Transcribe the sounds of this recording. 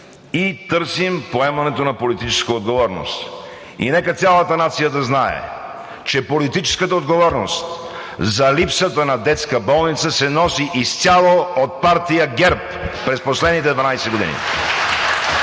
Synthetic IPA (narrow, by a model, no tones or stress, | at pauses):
it̪ɤɾsimpoɛmɐnɛt̪onɐpolit̪it͡ʃɛ̥skəod̪ɡovɔɾno̰st̪ | ḭnɛkət̪sʲalˠət̪ənat̪sijəd̪ɐznaɛ̰ | t͡ʃɛpolit̪it͡ʃɛ̥skət̪əod̪ɡovɔɾnost̪ | zɐlipsət̪ənɐd̪ɛt̪skəbɔlˠnit̪səsɛnɔsiʔist̪ʲjalˠoot̪̚paɾt̪ijəɡɛɾpː | ɾɛsposlɛd̪nit̪ɛd̪vɐnajsɛɡod̪ḭnḭ